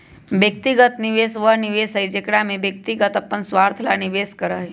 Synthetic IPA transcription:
bjək̚t̪iɡət̪niʋeːsʋəɦniʋeːsəid͡ʒekɽamẽbjək̚t̪iɡət̪ɐpːənsʋaːɾt̪ʰlaniʋeːskəɾəɦi

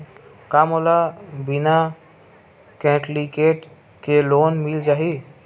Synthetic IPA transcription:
kamolabɪna | kɛ̃ːʈlikeːʈ | keloːnmɪld͡ʒaːɦi

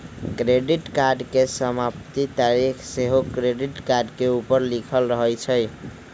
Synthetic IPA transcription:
kɾeɖiʈkaɾɖkesəmapt̪it̪aɾikʰseɦokɾeɖiʈkaɾɖkeupəɾlikʰəlɾəɦəjt͡ʃʰəj

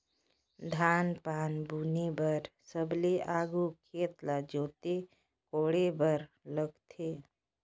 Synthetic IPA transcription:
d̪ʱaːnpaːnbunebəɾsəbleʔaɡukʰeːt̪lad͡ʒoːt̪e | koɽebəɾ | ləɡt̪ʰe

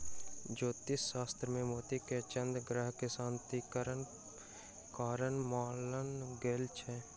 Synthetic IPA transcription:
d͡ʒoːt̪ɪsːaːst̪ɾəmẽmoːt̪iket͡ʃənd̪ɡɾəɦkɪsãːnt̪ikəɾən | kaːɾənmaːlənɡeːlt͡ʃʰɛː

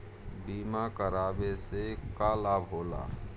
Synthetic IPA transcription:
biːmakəɾaːbesekalaːbɦoːla̰ː

